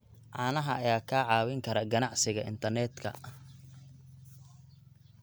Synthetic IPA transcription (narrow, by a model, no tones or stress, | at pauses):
ʕɑːnɐɦɐɐjaːkʰaːʕɑːwɪŋkʰɐɾɐɡɐnɑʕsɪɣɐɪ̰nt̪ʰɐrnɛːd̪kʰɐ̰ɐ